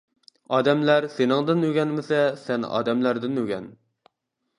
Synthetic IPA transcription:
ɑːd̪ɛmlæɾsenɨŋd̪ɨnøɡʲɛnmɪsɛsɛnɑ̰ːd̪ɛmlæɾd̪ɪnøɡʲɛn

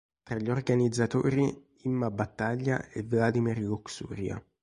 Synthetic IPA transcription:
t̪ɾaʎːiorɡanid̪zːat̪o̰ːɾi | imːabat̪ːaʎːa̰evlad̪imirluksṵːɾja̰

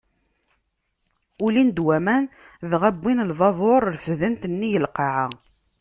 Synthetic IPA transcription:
ulind̪wæmæn | ðʁæbːinəlvɑðˤoɾˤɾfðənt̪ənːijəlqɑʕa

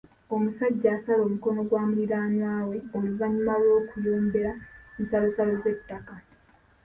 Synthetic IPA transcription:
o̞musaɟːaːsalo̞ːmuko̞no̞ɡwaːmuɾiɾaːnwaːwe̞oluvaɲumalo̞ːkujoːmbe̞ɾansalo̞salo̞ze̞tːaka

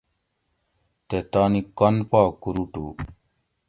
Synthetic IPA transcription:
t̪et̪aːnikɐnpaːkuɾuʈu

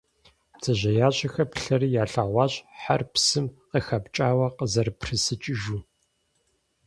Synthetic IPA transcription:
pt͡sʰɐʑɐjaːɕʼɐxɐpɬɐrijaːɬaːʁʷɑːɕʼħarpsɨmqəxɐpt͡ʃʼaːwɐqəzɐrpʰrɨsɨt͡ʃʼɪʒu

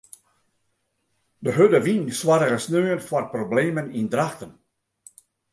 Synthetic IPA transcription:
dəɦødəʋinswaɾərəsnøːənfɔrprobleːmənindɾaxtən

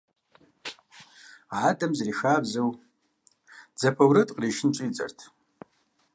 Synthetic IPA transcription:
aːdʼɐmzriːxaːbzɨw | d͡zɐpʰɐwɾɨtʼqriːʃɪnt͡ʃʷʼiːt͡sʼɐ̰rtʰ

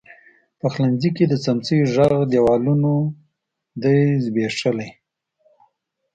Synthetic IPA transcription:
pəxlanziked̪ət͡samt͡səjʒaɣd̪jawɑluno | d̪ajzbeʂəlaj

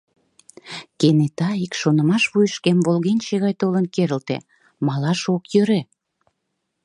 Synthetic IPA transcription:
kenet̪ɑikʃonə̆mɑʃβujəʃkemβolɣenʲʃeɣɑjt̪olənkeɾəlt̪ḛ | mɑlɑʃokjøɾe

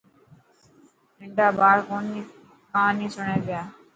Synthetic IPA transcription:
ɪɳɖaːbaːɽkoːni | kãːnĩːsʊɳẽːbɪjaː

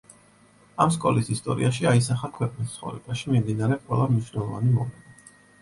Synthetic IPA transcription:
amskʼɔlisist̪ʼɔɾḭaʃiaisaχakʰwɛqʼnist̪sʰχɔ̰vɾɛ̰b̥aʃimimd̪inaɾɛqʼwɛlˠamniʃnɛlˠɔva̰nimɔlɛna

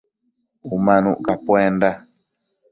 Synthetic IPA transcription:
umãnṵ̃ʔkapwenda

